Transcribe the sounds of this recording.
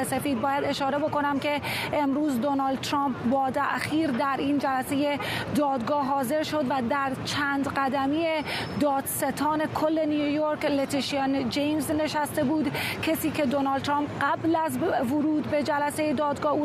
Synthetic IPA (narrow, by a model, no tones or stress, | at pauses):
ese̞fiːd̪̚bɒːjæd̪e̞ʃɒːɾe̞bo̞ko̞næmcʰe̞emɾuːzd̪onɒːld̪̚t̪ʰɾɑːmpbɒːt̪ʰæ̰ʔxiːɾd̪æɾiːnd͡ʒælæse̞je̞d̪ɒːd̪ɡɒːɦɒːze̞ɾʃo̞d̪væd̪æɾt͡ʃʰæːnd̪ɢæd̪æmiːed̪ɒːd̪̥se̞t̪ʰɒːne̞kʰolːe̞niujoɾklet̪ʰiʃiɑnd͡ʒejmzne̞ʃæst̪e̞buːd̪cʰesiːcʰe̞d̪onɒld̪t̪ʰɾɑːmpɢæblæzvoɾuːd̪be̞d͡ʒælæse̞jed̪ɒːd̪ɡɒːhuː